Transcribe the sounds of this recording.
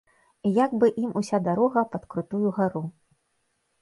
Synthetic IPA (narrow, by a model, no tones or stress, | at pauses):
jaɡbɨʔimʔusʲad̪aɾɔɣɐpɐt̪kɾut̪ujuɣaɾu